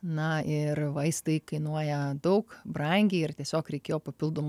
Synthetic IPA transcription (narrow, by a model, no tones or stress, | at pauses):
nɐɪrʋɐɪst̪ɐɪkɐɪnuɔjɛd̪ɐʊkbɾɐŋʲɡʲeɪrt̪ʲiɛsʲoːkɾʲɛɪkʲeːjoːpɐpʲɪlˠd̪oːm